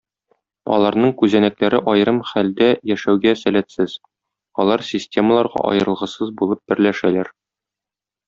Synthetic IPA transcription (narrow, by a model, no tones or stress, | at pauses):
ɒ̰lˠɑɾnɤɴkʉzænæklæɾɘʔɒjɾɤmχæld̪æjæʃæwɡæsælæt̪sɘz̥ | ɒlˠɑɾsʲɪsʲtʲe̞məlˠɑɾʁɑ̰ʔɒ̰jɤ̆ɾɤ̆lˠʁɤ̆sɤzbulˠɤp̚b̥ɘ̆ɾlæʃælæɾ